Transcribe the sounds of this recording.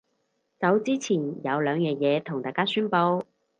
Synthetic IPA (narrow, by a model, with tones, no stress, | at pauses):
t͡sɐ˨˥wt͡siː˥t͡sʰiː˨˩njɐ˨˧wlœː˨˧ŋjɛː˨˧jɛː˨˧t̪ʰʊ˨˩ŋt̪aː˧jkaː˥syː˥npo˧w